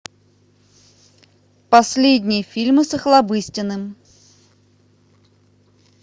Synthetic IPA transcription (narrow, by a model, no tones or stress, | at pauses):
pɐsʲlʲedʲnʲɪjəfʲilʲmɨsəxlˠɐbɨsʲtʲɪnːɨm